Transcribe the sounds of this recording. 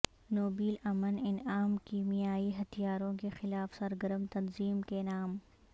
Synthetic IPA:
noːbiːlɐmənɪnaːmkiːmijaːiɦɐt̪ʰijaːɾõkexɪlaːfsɐɾɡəɾəmt̪ɐnziːmkenaːm

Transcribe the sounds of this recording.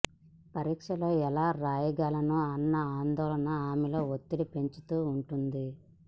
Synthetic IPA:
pɐɾiːkʂɐlo̞ːɛlaːɾaːjɐɡaːlɐnuɐnːɐaːnd̪ɔːlɐnɐaːmɛlo̞ːot̪ːiɽipe̞ɲt͡ʃu̥t̪uːɳʈund̪i

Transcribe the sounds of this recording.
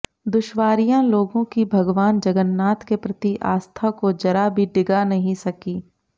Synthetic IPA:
d̪ʊʃʋaːɾijãloːɡõkibʱɐɡʋaːnd͡ʒɐɡənːaːt̪kepɾɐt̪iʔa̰ːst̪ʰakod͡ʒɐɾabʱiɖɪɡanɐɦĩsɐkiː

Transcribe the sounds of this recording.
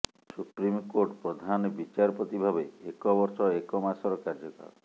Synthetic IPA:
supɾimkoʈpɾɔd̪ʱanbit͡ʃaɾpot̪ibʱabeekɔbɔɾsɔekɔmasɔɾɔkaɾd͡ʒɔkɔ̰ɾɔ

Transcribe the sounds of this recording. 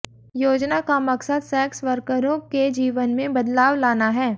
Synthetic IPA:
joːd͡ʒnakamɐksəd̪sɛːksʋəɾkəɾõked͡ʒiːʋənmẽbɐd̪laːʋlaːnaɦɛː

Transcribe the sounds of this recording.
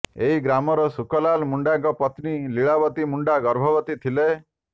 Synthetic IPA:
eɦiɡɾamɔɾɔsukɔlalmuɳɖaŋkɔpɔt̪niliɭabɔt̪imuɳɖaɡɔɾbʱɔbɔt̪it̪ʰile

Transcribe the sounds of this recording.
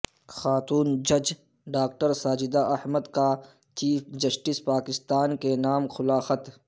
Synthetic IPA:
xaːt̪uːnd͡ʒɐd͡ʒ | ɖaːk̚ʈəɾsaːd͡ʒɪd̪aʔɐhməd̪ka | t͡ʃiːfd͡ʒɐsʈispaːkɪst̪aːnkenaːmxʊlaːxət̪

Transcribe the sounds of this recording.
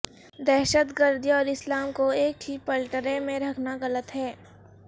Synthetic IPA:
d̪ɛːʃət̪ɡəɾd̪ʱiɔːɾɪslaːmkoeːkɦipəlʈəɾẽmẽɾɐkʰnaɣɐlət̪ɦɛː

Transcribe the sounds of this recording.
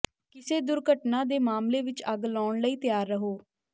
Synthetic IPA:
kɪseːd̪ʊɾɡʱəʈnãːd̪eːmaːmleːʋɪt͡ʃəɡlɔːɳləiːt̪jaːɾːəɦoː

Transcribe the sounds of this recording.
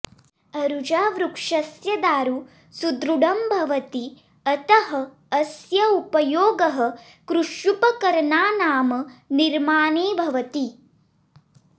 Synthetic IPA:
ɐɾud͡ʒaːʋɾukʂɐsjɐd̪aːɾu | sud̪ɾuɽɐmbʱɐʋɐt̪i | ɐt̪ɐɦɐː | sjɐupɐjoːɡɐɦɐ̆ | kɾuʃjupɐkɐɾɐnaːnaːmɐniɾmaːneːbʱɐʋɐt̪i

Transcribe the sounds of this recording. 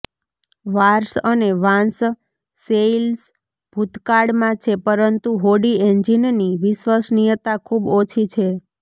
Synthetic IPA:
ʋaɾsəneʋãns | sels | b̥ʱut̪kaɽmãt͡ʃʰepəɾənt̪uɦoɽieɲd͡ʒinniʋɪʃʋasnijət̪akʰubot͡ʃʰit͡ʃʰe

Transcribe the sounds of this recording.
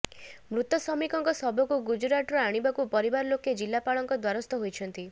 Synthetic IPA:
mɾut̪ɔsɔmikɔŋkɔsɔbɔkuɡud͡ʒɾaʈɔɾɔaɽ̃ibakupɔɾibaɾɔloked͡ʒilːapaɭɔŋkɔd̪waɾɔst̪ɔɦojt͡ʃʰɔnt̪i

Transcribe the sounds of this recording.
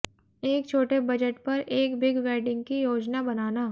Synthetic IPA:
eːk̚t͡ʃʰoːʈebɐd͡ʒəʈpɐɾʔeːkbɪɡʋɛːɖɪ̃ŋɡkijoːd͡ʒnabɐnaːnaː

